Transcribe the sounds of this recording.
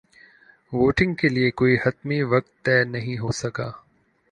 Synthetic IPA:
ʋoːʈɪ̃ŋɡ̚keːliekoːihɐt̪miʋɐk̚t̪ːɛːnɐɦĩɦoːsɐɡaː

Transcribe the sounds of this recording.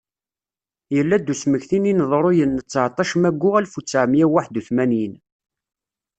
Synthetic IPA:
jəlːæd̪ːusməçθininðˤɾˤojənːət͡sːʕt̪ˤɑʃəmæɡʷːʊʁælfut͡sːʕmjæwaħd̪uθmænjin

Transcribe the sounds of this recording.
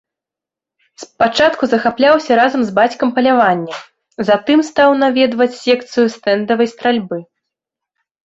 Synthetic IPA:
spat͡ʂat̪kuzɐxaplʲawsʲɐɾazɐmzbat͡sʲkɐmpɐlʲavanʲːɐ | zat̪ɨmst̪awnavʲɛd̪vɐt͡sʲsʲɛkt̪sɨjust̪ɛnd̪ɐvɐjst̪ɾalʲbɨ

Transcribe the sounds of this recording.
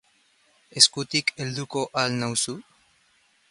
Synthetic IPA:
e̞skut̪ikeld̪uko̞ʔalnawsu

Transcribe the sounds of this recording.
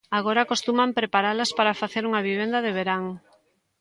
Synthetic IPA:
aɣoɾaːkost̪umampɾepaɾalɐspaɾafaθeɾuŋɐβiβ̞end̪ɐðeβ̞eɾaŋ

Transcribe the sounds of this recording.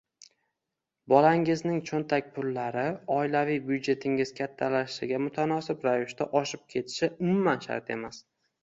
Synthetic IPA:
bɒlaŋɪznɪŋt͡ʃʰont̪ʰakʲpʰʊlːaɾɪɒɪlavijbjʊd͡ʒe̞t̪ʰɪŋɪz̥kʲʰat̪ʰːalaʃʃɪɡʲamʊt̪ʰanɒsɪpɾavɪʃt̪aʔɒʃɪp̚kʲʰe̞t̪ʰɪ̥ʃɪʊmʊmanʃa̰ɾt̪e̞̰mas

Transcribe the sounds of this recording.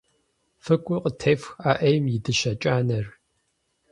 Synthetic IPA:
fɨkʷʼʊqʼətʰeːfxaːʔɐjmjɪdɨʃɐt͡ʃʼaːnɐr

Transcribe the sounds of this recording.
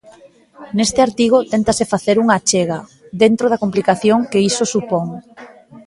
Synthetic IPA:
nest̪ɪaɾt̪iɣ̞ot̪ent̪asɪfaθeɾuŋat͡ʃeɣ̞ɐ | ðent̪ɾoð̞ɐkomplikaθjoŋkeisosupoŋ

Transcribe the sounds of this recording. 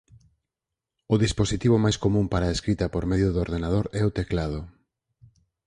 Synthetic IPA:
ʊðisposit̪iβ̞ʊmajskomũmpaɾaeskɾit̪ɐpoɾmeðjʊðoɾðenað̞oɾɛʊt̪eklaðʊ

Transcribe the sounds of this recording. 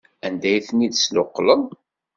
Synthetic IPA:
ænd̪æjθnid̪slʊqːlən

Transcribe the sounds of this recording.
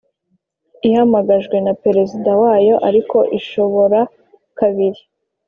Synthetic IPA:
ihamaɡaʒɡwe̞nape̞ɾe̞zidawaːjo̞ʔaɾiko̞ʔiʃo̞βo̞ɾa | kaβiɾi

